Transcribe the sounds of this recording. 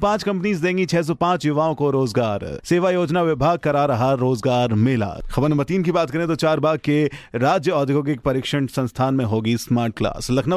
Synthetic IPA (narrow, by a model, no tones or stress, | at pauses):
pãːt͡ʃkɐ̃mpnizd̪ẽːŋɡit͡ʃʰɛːs̬ɔpãːt͡ʃjʊʋaːõkoɾoːzɡaːɾseːʋajoːd͡ʒnaʋɪbʱaːɡ̚kɐɾaɾɐɦaɾoːzɡaːɾmɪːla̰ːxɐbəɾnmɐt̪iːnkibaːt̪kɐɾẽt̪ot͡ʃaːɾbaːɡ̚keɾaːd͡ʒjəɔːd̪ʱɪɡõk̬ekpɐɾɪːkʃəɳsɐ̃nst̪ʰaːnmẽɦoːɡismaːɾʈ̚kla̰ːslɐkʰna